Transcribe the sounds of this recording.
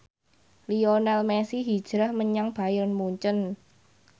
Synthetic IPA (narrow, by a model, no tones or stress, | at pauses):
lionalmesiɦid̥ʒ̥ɾahməɲaŋb̥a̤jərnmuɲt͡ʃən